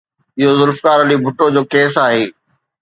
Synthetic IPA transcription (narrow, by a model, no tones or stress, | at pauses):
ɪɦozʊlfkaːɾɐlibʱʊʈod͡ʑoːkeːsaːɦeː